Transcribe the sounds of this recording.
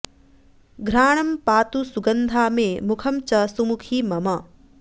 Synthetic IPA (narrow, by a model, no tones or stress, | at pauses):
ɡʱɾaːɳɐmpaːt̪usuɡɐnd̪ʱaːmẽːmukʰɐmt͡ʃɐsumukʰiːmɐmɐ